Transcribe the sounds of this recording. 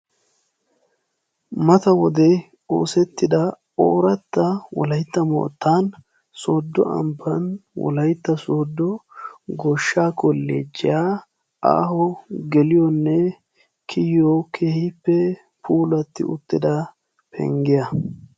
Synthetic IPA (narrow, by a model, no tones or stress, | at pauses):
mɐt̪ɐwɔd̪ɛ | o̞ːsɛt̪ːɪd̪ɐ | o̰ːɾɐt̪ːɐwɔ̰lɐjt̪ːɐmo̰ːt̪ːaːn | soːd̪ːɔ̰ʔɐ̰mbɐnwɔ̰lɐjt̪ːɐsoːd̪ːɔɡɔʃːaːkɔlːḛːd͡ʒːɪjaː | a̰ːhɔɡɛlɪjɔnːɛ | kʰɪjɔkʰeːhɪpːɛ | puːlɐt̪ːɪ̰ʔʊ̰t̪ːɪd̪ɐ | pʰɛ̰ŋɡɪjɐ